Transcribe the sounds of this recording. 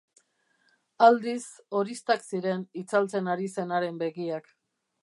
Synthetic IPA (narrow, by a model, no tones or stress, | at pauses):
ald̪iso̞ɾist̪aksiɾe̞nit͡salt͡se̞naɾise̞naɾe̞mbe̞ɣiak